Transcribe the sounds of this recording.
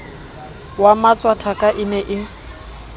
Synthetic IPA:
wamat͡sʼwatʰakʼaʔɪnɛʔɪ

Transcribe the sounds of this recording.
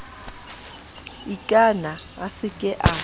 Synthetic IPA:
ikʼana | asɪkʼɛʔa

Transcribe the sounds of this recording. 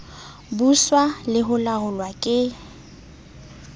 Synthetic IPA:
buswalɪɦʊlahʊlwakʼɪ

